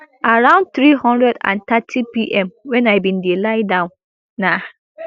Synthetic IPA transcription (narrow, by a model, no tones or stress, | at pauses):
ʔaɹãʊ̃nd̚t̪ɹihɔ̃ndɹɛdã̰nt̪ʰatʰipiʔɛ̃mwɛ̃naɪbĩndelaɪdãʊ̃nː | a